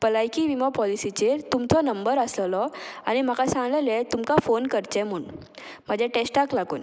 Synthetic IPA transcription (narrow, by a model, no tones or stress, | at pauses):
pəlajkiʋimɔpɔlisit͡ɕeɾt̪umt͡sʰɔnəmbəɾəsləlɔañim̤akasãŋɡlɛlɛt̪umkafonkəɾt͡ɕɛ̃m̤uːɳ | m̤əd͡ʑʱɛʈesʈaklaɡṵːn